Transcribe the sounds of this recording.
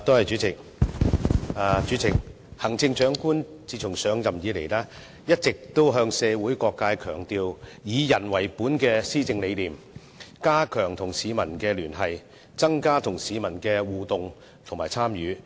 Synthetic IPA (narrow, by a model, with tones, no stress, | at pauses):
t̪o˥whɐ˨jt͡ʃyː˨˥t͡sɪ˨˩k̚ | aː˧t͡ʃyː˨˥t͡sɪ˨˩k̚ | hɐ˨˩ŋt͡sɪ˧ŋt͡ʃœː˨˥ŋkuː˥n | t͡siː˧t͡ʃʰʊ˨˩ŋsœː˨˧ŋjɐ˨mjiː˨˧le˨˩jlaː˥ | jɐ˥t̚t͡sɪ˨k̚t̪o˥wɦœː˧ŋsɛː˨˧wuː˨˥jkɔː˧kːaː˧jkʰœː˨˩ŋt̪iː˧wjiː˨˧jɐ˨˩nwɐ˨˩jpuː˨˥nkɛː˧siː˥t͡sɪ˧ŋle˨˧jliː˨m | kaː˥kʰœː˨˩ŋt̪ʰʊ˨˩ŋsiː˨˧mɐ˨˩nkɛː˧lyː˨˩nɦɐ˨j | t͡sɐ˥ŋkaː˥t̪ʰʊ˨˩ŋsiː˨˧mɐ˨˩nkɛː˧wuː˨t̪ʊ˨ŋ | t̪ʰʊ˨˩ŋmaː˨˩jt͡sʰaː˥mjyː˨˧